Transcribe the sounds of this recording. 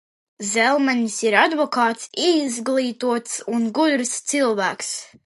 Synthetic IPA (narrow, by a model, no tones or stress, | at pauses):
zɛlˠmanʲisiɾad̪vɔkaːt̪sizɡlˠiːt̪uɔt̪sunɡud̪ɾst̪silˠvæːks